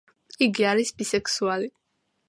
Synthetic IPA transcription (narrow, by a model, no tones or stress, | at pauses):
iɡiaɾisbisɛksuali